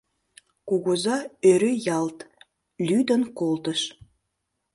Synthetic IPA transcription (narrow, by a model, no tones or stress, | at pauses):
kuɣozɑøɾøjɑlt̪ | lyd̪ənkolt̪əʃ